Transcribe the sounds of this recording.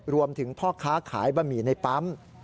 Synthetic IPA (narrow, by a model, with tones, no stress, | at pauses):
ɾu˧əmt̪ʰɯ˩˦ŋpʰɔː˥˩kʰaː˦˥kʰa̰ː˩˦jbaː˧miː˨˩na˧jpa˦˥m